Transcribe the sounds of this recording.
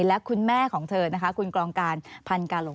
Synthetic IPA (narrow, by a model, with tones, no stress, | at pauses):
lɛ˦˥kʰu˧nmɛː˥˩kʰɔː˩˦ŋt̪ʰɤː˧na˦˥kʰa˦˥kʰu˧nklɔː˧ŋkaː˧npʰa˧nkaː˧lo˨˩˦